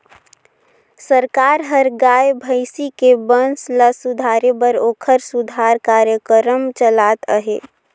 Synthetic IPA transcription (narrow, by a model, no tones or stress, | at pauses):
səɾkaɾɦəɾɡajbʱəɪsikebənslasud̪ʱaɾebəɾoːkʰəɾsud̪ʱaɾkaɾjəkəɾəmt͡ʃəlat̪əɦe